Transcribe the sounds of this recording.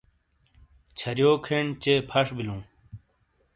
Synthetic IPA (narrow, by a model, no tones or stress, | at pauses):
t͡ɕʰɐɾjoːkʰeɳt͡ɕepʰɐʂbilũː